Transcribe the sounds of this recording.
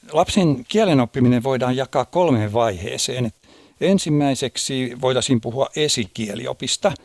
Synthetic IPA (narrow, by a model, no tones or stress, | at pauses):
lɑpsenkiælenopːimineʋʋoidɑːjɑkˑɑːkkolmeʋʋɑihḛːseːnet̪ | ensimːæiseksiːʋoit̪ɑsimpuhuɑʔʔesikielḭo̰pist̪ɑ